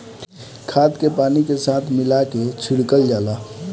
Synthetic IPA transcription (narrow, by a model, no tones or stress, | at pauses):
kʰaːt̪kepaːnikesaːt̪ʰmɪlaket͡ʃʰɪɽkəld͡ʒaːlaː